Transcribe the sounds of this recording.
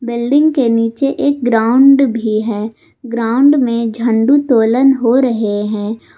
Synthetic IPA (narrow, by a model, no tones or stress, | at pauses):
bɪlɖɪ̃ŋɡkeniːt͡ʃeʔeːk̚ɡɾaːʊɳɖbʱiɦɛː | ɡɾaːʊɳɖmẽd͡ʒʱə̃ɳɖut̪oːlənɦoɾəɦeɦɛ̃ː